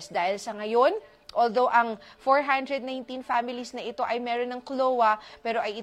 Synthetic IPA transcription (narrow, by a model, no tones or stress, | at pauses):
sd̪aːhɪlsɐŋɐjo̞n | ʔoːld̪o̞wʔɐŋfoɹɦand̪ɾɛd̪̚naj̃nt̪infamɪlisnɐʔɪt̪o̞ʔɐjmɛːɾonːɐŋklowɐpɛːɾo̞ʔɐjɪ